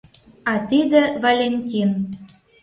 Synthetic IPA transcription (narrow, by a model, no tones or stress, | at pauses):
ɑt̪id̪ĕvalʲenʲtʲin